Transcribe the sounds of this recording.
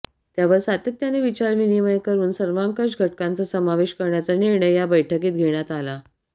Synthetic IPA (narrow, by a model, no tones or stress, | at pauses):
t̪jaʋəɾsat̪ət̪ːjaneʋit͡ɕaɾminimajkəɾuːnsəɾʋãŋkəɕɡʱəʈ̚kant͡səsəmaʋeɕkəɾɳjat͡səniɾɳəjjabəjʈʰəkiːt̪̚ɡʱeɳ̃jat̪ala